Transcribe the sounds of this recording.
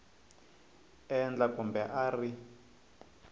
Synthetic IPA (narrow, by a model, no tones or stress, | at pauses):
ɛnd͡ɮakʼumbɛʔari